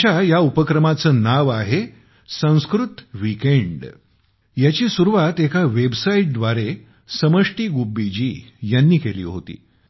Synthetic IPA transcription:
t͡ɕajaupəkɾəmat͡səːnaʋaɦe | sə̃w̃skɾut̪ʋikeɳɖ | jat͡ɕiːsuɾuʋat̪ekaʋebsaiʈ̚d̪ʋaɾe | səməʂʈiːɡubːid͡ʑiːjanːiːkelḭːɦo̰t̪ḭː

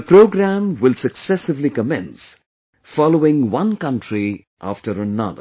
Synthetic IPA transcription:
əpɾoːɡɾæmwɪlsəksɛsɪʋlikəmɛ̃ns | fɑloɪ̃ŋwʌ̃nkʌ̃nʈʰɾi | ʔa̰fʈəɾənʌ̰ðə̰

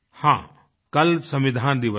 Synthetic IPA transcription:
hã | kɐlsɐ̃mʋɪd̪ʱaːnd̪iʋə

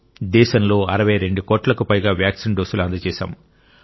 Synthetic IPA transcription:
d̪ɛːʃɐmlo̞ːɐɾɐʋɐjɐɾe̞ɳɖukoːʈlɐkupɐjɡaːʋjaːksinɖoːsuluɐnd̪ɐt͡ʃɛːʃa̰ːm

